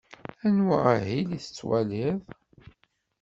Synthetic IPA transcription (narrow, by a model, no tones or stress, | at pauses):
ænwiʁhiliθə̥t͡sːwæliðˤ